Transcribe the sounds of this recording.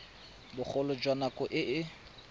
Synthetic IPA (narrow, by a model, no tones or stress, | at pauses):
bʊk͡xʰɔlʊd͡ʒwanakʼɔʔɪʔɪ